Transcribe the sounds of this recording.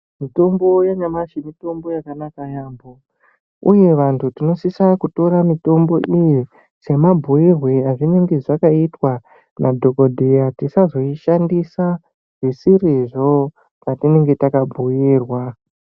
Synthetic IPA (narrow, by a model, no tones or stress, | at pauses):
mito̞mbo̞jaɲamaʃemito̞mbo̞jakanakajaːmbo | ṵje̞ʋantʰutino̞sisakuto̞ɾamito̞mbo̞ʔiji | se̞mabʱujirweaʐine̞ŋɡe̞ʐakaitwa | nʔadʱo̞ko̞dʱejatisazo̞iʃandisa | ʐ̥isiriʐo̞ | natine̞ŋɡe̞takabʱuiːrwa